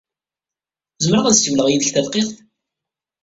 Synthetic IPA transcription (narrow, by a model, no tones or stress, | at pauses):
zəmɾəʁæðsəwləʁjiðəçθælqeθ